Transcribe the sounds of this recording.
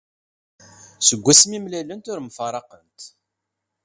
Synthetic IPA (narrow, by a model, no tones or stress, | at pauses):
səɡʷːæsəmimlælənt̪ʊɾmfɑɾˤɑqənt̪